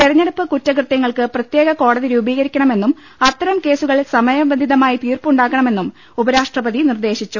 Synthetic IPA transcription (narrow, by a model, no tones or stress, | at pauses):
t̪eɾɐɲːɐɽɐpːɨkutːɐkrɨt̪jɐŋːɐɭkɨprɐt̪je̞ːɣɐko̞ːɽɐðiɾuːbiːɣɐɾikʲːɐɳɐme̞nːum | ɐt̪ːɐɾɐmke̞ːsuɣɐɭsɐmɐjɐbend̪ʱiðɐmaːjit̪iːrpuɳɖaːkːɐɳɐme̞nːum | ubɐɾaːʂʈrɐbɐðinird̪e̞ːɕit͡ɕːu